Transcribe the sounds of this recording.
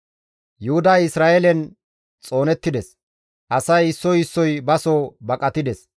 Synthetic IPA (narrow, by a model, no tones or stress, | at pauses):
jʊhʊd̪aːɪsɾaːʔelɛn | t͡sʼo̞ːnɛt̪ːɪd̪ɛs | ʔɐsɐjɪsːɔjɪsːɔjbɐsoːbɐkʼɐt̪ɪd̪ɛs